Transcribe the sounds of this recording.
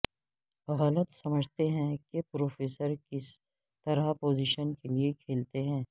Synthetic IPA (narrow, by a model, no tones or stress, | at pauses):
ɣɐlət̪sɐməd͡ʒʱt̪eɦɛ̃kepɾoːfeːsəɾkɪs | t̪ɐɾapoːziːʃənkeliekʰeːlt̪eɦɛ̃ː